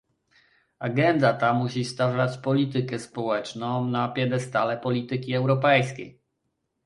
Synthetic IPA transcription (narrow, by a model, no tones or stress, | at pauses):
aɡɛnd̪at̪amuɕist̪avat͡ɕpɔlʲit̪ɘkɛspɔwɛt͡ʂnɔ̃napʲjɛd̪ɛst̪alɛpɔlʲit̪ɘkʲiɛwɾɔpɛjskʲḛj